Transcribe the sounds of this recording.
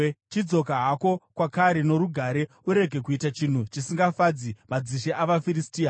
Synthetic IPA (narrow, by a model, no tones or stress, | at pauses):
t͡ʃid͡zo̞k̬aɦako̞kwakaɾe̞no̞ɾuɡʱaɾe̞ | uɾe̞ɡʱe̞kuitat͡ʃin̤ut͡ʃisiŋɡafad͡zimad͡ziʃeʔaʋafiɾistiːa